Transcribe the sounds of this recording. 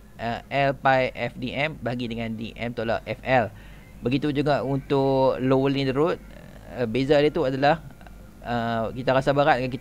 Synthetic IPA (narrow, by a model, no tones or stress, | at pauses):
ʔəʔɛlpajʔɛfdiʔɛmbaɡidəŋãndḭʔɛ̰mt̪ola̰ʔʔɛfɛl | bəɡit̪ud͡ʒuɡaʔunt̪ʊʔlowəlnĩdəɾʊt̪̚ | əbezadət̪uadalah | əkit̪aɾasabaɾat̚dəŋankit̪